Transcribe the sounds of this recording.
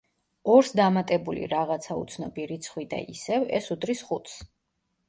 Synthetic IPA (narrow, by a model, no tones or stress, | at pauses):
ɔɾsd̪amat̪ʼɛbulḭɾaʁat̪sʰaṵt̪sʰnɔbiɾit̪sʰχwid̪a̰isɛvɛ̰sud̪ʼɾisχut̪s